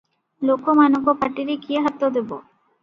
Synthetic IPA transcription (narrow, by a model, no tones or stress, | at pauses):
lokomanoɡopaʈiɾikieɦat̪ːod̪ebo̰